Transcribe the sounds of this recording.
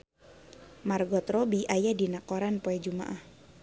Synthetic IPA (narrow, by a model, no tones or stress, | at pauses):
marɡɔt̪ɾɔbiʔajadinakɔɾanpoɛd͡ʒumaʔah